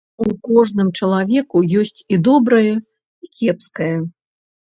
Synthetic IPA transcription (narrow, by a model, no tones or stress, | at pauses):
ukɔʐnɨmt͡ʂɐlˠavʲɛkujɔsʲt͡sʲid̪ɔbɾɐjɐ | ikʲɛpskɐjɐ